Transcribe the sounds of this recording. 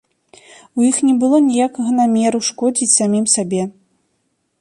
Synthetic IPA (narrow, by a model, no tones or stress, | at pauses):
ujixnʲɛbɨlˠɔnʲijakɐɣɐnamʲɛɾuʂkɔd͡zʲit͡sʲsamʲimsabʲɛ